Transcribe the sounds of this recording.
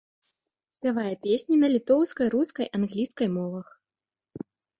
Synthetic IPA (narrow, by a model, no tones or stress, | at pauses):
sʲpʲavajɛpʲesʲnʲinɐlʲit̪ɔwskɐjɾuskɐjʔanɣlʲiskɐjmɔvɐx